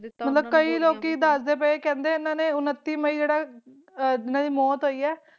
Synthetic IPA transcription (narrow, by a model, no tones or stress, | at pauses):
mət̪ləb̚kəiːloːkiːd̪aːsd̪eːpəeːkɛ̃ːnd̪eːɪnãːneːʊnət̪ːiːməiːd͡ʒeːɽaː | d͡ʒɪnãːd̪iːmɔːt̪ɦoːiːɛː